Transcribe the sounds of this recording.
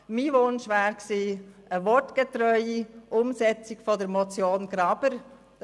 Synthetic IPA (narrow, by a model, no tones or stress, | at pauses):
miːʋʊnʃʋæːɾksiː | əʋɔɾtɡ̥etɾœʏiʔʊmsɛt͡sikfɔdəɾmɔt͡sjoːnɡ̥ɾɑb̥əɾ